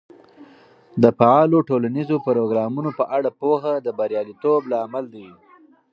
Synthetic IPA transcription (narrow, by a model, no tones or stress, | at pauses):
d̪əfaɑloʈolanizopaɾoɡɾɑmunopəʔaɽapoxad̪əbaɾjɑlit̪oblaːmald̪i